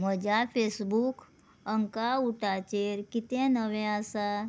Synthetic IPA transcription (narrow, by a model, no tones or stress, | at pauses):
məd͡ʒapʰesbuk | əŋkauʈat͡ʃeɾkit̪ẽnəʋẽasa